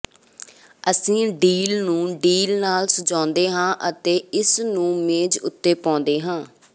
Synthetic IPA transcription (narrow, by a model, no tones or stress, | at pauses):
əsĩːɖiːlnũːɖiːlnaːlsəd͡ʒãːnd̪eːɦãːʔət̪eːɪsnũːmeːd͡ʒʊ̰t̪ːeːpɔ̃ːnd̪eːɦãː